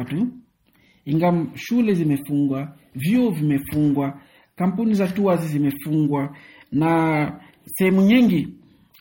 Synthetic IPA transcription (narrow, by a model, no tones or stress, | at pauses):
tu | iŋɡamʃulɛzimɛfuŋɡwa | vjuɔvimɛfuŋɡwa | kam̩punizatuazizimɛfuŋɡwa | na | sɛhɛmuɲiŋɡi